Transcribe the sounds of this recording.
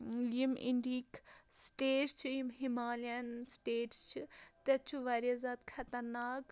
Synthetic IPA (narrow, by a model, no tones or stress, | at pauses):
limḭɳɖiːksʈeːʈt͡ʃʰiimɦimaːlɐnsʈeːʈst͡ʃʰit̪ɐt͡ʃʰuʋɐɾjɐzaːd̪kʰɐt̪ɐɾnaːk